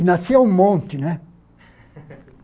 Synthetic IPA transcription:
nɑseommont̪ːine

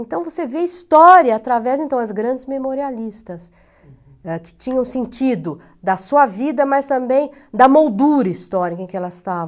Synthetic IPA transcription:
ẽnt̪ɐ̃w̃voseveist̪ɔɾiɐːt̪ɾavɛzẽnt̪ɐ̃w̃ɐzɡɾɐ̃nd͡ʒɪzmemoɾialist̪ɐs | ɛkɪ̥t͡ʃĩɲɐ̃w̃sẽnt͡ʃid̪ʊ | d̪ɐsuɐvid̪ɐmɐst̪ɐ̃mbẽj̃d̪ɐmowd̪uɾɐist̪ɔɾikɐẽkɪɛlɐɪst̪avɐ̃

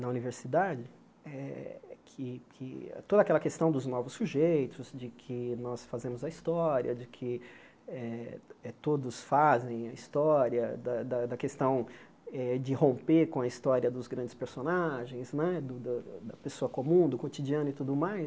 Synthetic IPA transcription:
nɐuniveɾsid̪ad͡ʒɪ | ɛkʰɪkʰɪ̰t̪od̪ɐakɛlɐkest̪ɐ̃w̃d̪ʊznɔvʊsːuʒejt̪ʊzd͡ʒɪkʰɪnɔsfazẽmʊzɐist̪ɔɾiɐd͡ʒɪkʰɪ | ɛɛt̪od̪ʊsfazẽj̃ɐist̪ɔɾiɐd̪ɐd̪ɐd̪ɐkest̪ɐ̃w̃ | ɛd͡ʒɪhõpekõɐist̪ɔɾiɐd̪ʊzɡɾɐ̃nd͡ʒɪspeɾsonaʒẽj̃znɛd̪ʊd̪ɐd̪ɐpesoɐkomũd̪ʊkot͡ʃid͡ʒiɐ̃nʊɪt̪ud̪ʊmaj

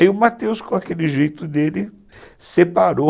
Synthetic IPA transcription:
iʊmat̪ewskõakelɪʒejt̪ʊd̪elɪ | sepaɾo

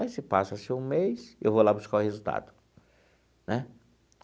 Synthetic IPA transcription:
ajsɪpasɐsɪũmejsḛwvowlabuskaʊhezut̪a̰d̪ʊ | nɛ

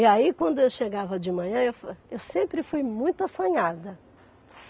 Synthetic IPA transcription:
iaikwɐ̃nd̪ʊewʃeɡavɐd͡ʒɪmɐ̃ɲɐ̃ewfewsẽmpɾɪfujmũj̃t̪ʊasɐ̃ɲad̪ɐ | s

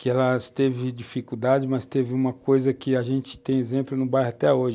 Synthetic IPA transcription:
kɪɛlɐst̪evɪd͡ʒifikuwd̪ad͡ʒɪmɐst̪evɪũmɐkojzɐkɪaʒẽnt͡ʃɪ̥t̪ẽj̃ezẽmplʊnʊbajɦat̪ɛoʒɪ

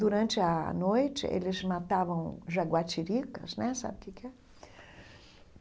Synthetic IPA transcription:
d̪uɾɐ̃nt͡ʃɪɐnojt͡ʃɪ̰ʔḛlɪzmat̪avɐ̃w̃ʒaɡwat͡ʃiɾikɐ̰znɛsa̰bɪkɪkɛ

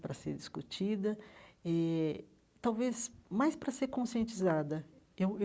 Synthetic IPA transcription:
pɾɐsḛɾd͡ʒiskut͡ʃid̪ɐɛ | t̪awvesmajspɾɐseɾkõsiẽnt͡ʃizad̪ɐ | ew

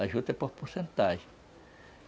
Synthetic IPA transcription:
aʒut̪epohpusent̪aʃ

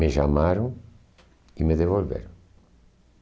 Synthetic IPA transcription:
meʒamaɾõ | imeðevolvḛɾõ

